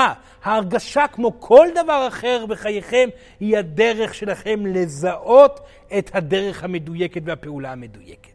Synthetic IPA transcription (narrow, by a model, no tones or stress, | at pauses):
haːʁɡaʃakmo̞kʰo̞ld̪avaʁaχe̞ʁbe̞χajeχe̞m | hihade̞ʁe̞χʃe̞laχe̞mle̞zaʔo̞t̪ | et̪had̪e̞ʁe̞χhame̞duje̞ketvehapeulahame̞d̪ujeke̥t